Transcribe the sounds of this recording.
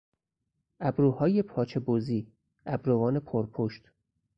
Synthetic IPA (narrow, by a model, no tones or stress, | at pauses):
ʔæbɾuːhɒːje̞pʰɒːt͡ʃʰe̞boːziː | æbɾovɒːne̞pʰoɾpʰoʃt̪